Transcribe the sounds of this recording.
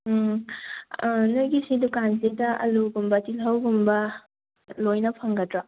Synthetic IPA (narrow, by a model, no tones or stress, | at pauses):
nujɡisidukanzedɐʔɐ̰luɡumbɐtilɦɐwɡumbɐ | lojnɐpʰɐŋɡɐtɾɐ